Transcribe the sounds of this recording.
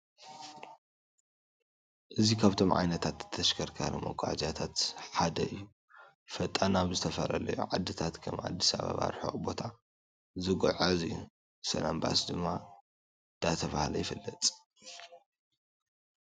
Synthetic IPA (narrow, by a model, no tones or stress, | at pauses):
ʔɨzikʰaβt̪ʰo̞mʕa̰jnɐt̪ʰat̪ɨ̥t̪ʰːɐʃkʰɐɾkʰa̰ɾimo̰ɡʷazjat̪ʰat̪ħad̪ɐɨjːu | fɐt̪ʼːanaβzɨt̪ʰɐfɐlɐlɐjṵʕad̪ːɨt̪ʰat̪kʰɐmʕa̰d̪ːisa̰βa̰βa̰ɾħo̰bo̞t̪ʰa | zɨɡʕazi | sɐ̰lamba̰sd̪ɨmːa | d̪̥at̪ʰɐβahlɐjɪfɨlːɐt̪ʼ